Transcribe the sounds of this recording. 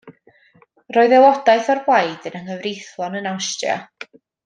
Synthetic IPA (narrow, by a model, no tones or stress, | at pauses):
rɔɨðɛlˠɔdajθɔrbwajdənənhəvrɪjθlˠɔnənawstja̰